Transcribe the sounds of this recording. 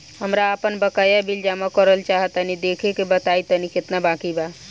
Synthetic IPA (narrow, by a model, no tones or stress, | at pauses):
həmɾaəpənbəkəjabild͡ʒamakəɾəlt͡ʃaɦət̪ənid̪ekʰekebət̪ait̪əniket̪nabakiba